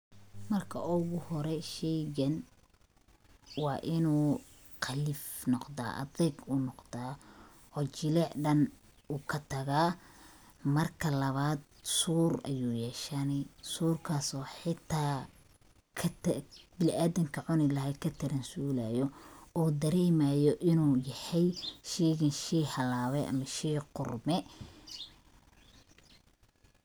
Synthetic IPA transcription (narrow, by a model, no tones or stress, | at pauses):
mɐrkʰɐʔʊɣʊhɔɾɛʃɛjɣɐn | wɑːʔɪnuː | qʰɑlɪfnɔqða̰ːʔɐ̰ðɛjɡunɔqd̪aː | ʔɔːt͡ʃɪlɛːʕɖɐn | uːkʰɐt̪ʰɐɣaː | mɐrkʰɐlɐβaːd̪̚ | suːrɐ̰juːjɛːʃɐnɪsuːrkʰaːsɔːħɪt̪ʰːaː | kʰɐbɪlʔaːðɪŋkʰɐʕʊnɪlɐɦɛkʰɐt̪ʰɐɾɐnsuːlaːjɔɔːd̪ɐɾɛːmaːjɔʔɪnuːjɐhɛjʃiːɣɐnʃiːhɐlaːβɛʔɐ̰mɐʃiqʊrmɛ